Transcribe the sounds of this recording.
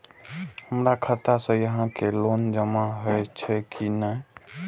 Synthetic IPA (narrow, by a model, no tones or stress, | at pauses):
həmɾakʰət̪asə̃jəɦãkelond͡ʒəmaɦəjt͡ʃʰɛkʰinə